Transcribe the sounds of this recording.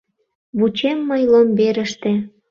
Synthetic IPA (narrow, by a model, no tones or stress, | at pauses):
βut͡ɕemːəjlombeɾə̆ʃt̪e